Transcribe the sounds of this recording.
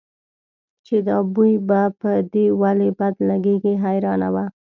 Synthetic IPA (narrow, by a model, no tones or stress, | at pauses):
t͡ʃed̪ɑbujbapəd̪ewalebad̪laɡeɡiɦajɾɑna̰wa